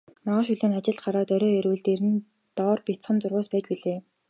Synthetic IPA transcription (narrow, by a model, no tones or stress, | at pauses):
maʁaːʃuɮiːŋat͡ɕɪ̆ɮɢaɾaːt̪œɾɔːeɾɘ̆ːɮt̪eɾɘ̆n | t̪ɔːrpʲit͡sχə̆nt͡sʊrʁʊːspæːt͡ɕpiɮeː